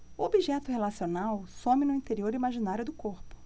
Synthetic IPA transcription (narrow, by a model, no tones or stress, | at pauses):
ʊobiʒɛt̪ʊɦelasionawsõmɪnʊĩnt̪eɾioɾimaʒinaɾjʊd̪ʊkoɾpʊ̥